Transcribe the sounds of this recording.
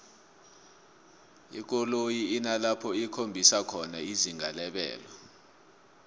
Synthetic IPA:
ḭk̬ɔlojiːnalapʰɔikʰombʱisakʰɔnaiziŋalɛɓɛ̰ːlɔ

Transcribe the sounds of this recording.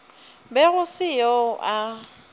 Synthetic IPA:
bɛɣʊsɪjɔʔa

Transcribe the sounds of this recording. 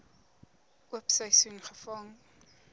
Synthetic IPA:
ʔuəpsəjsunχəfɐŋ

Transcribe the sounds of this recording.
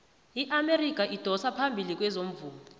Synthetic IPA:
iʔamerik̬ʼaʔid̥ʱɔsapʰambʱilik̬ʼwɛzom̩vuːlɔɔ

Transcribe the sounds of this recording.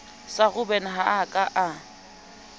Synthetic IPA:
saɣʊbɛnaɦaakʼaʔa

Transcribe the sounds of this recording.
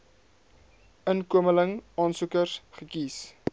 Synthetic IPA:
ənkuəmələŋɑːnsukərsχəkis

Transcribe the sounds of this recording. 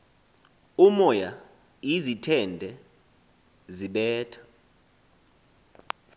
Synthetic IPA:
umɔja | izitʰɛndʱɛ | ziɓɛːtʰḁ

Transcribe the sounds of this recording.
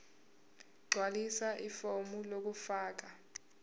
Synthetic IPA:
ɡ͡ǀʱwalisaʔifomulok̬ufaːk̬a

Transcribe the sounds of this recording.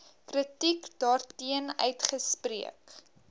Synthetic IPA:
krətikdɑːrtiənœ̰ɥtχəspriək

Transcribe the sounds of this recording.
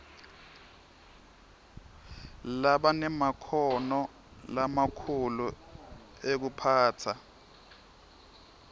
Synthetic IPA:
laɓanɛmakʰɔnɔ | lamakʰulu | ek̬upʰaːtʰa

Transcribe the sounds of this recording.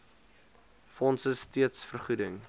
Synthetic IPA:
fɔnsəstiətsfərχudəŋ

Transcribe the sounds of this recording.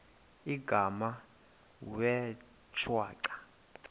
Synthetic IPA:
iɡʱama | wɛ | t͡ʃʰwaːǀḁ

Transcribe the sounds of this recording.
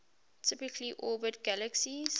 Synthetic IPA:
tʰɪpɪkʰliʔɔːbət̚ɡ̥æləksis

